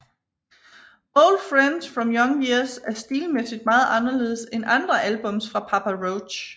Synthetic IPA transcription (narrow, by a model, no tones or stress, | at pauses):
oʊld̥fʁænd̥sfʁɒ̽mjɒ̽ŋjiɐsæɐsd̥iːlmesid̥̚mɑ̈ːð̩ˠʔɑ̈nɐle̝ːð̞ˠsenʔɑ̈nd̥ʁɐʔælb̥ɔ̽msfʁɑ̈pʰɑ̈pʰæʁoʊ̥ɕ